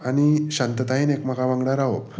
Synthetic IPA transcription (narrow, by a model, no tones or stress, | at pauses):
aɽ̃iɕant̪ət̪aɦiːnekm̤əɡaʋãŋɡɽaɾaʋop